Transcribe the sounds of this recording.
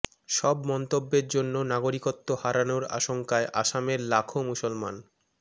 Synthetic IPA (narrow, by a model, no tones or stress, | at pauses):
ʃɔbmɔnt̪obːeɾd͡ʑonːonaɡoɾikot̪ːohaɾanoɾa̰ʃoŋkaeʔaʃameɾlakʰomusolma̰n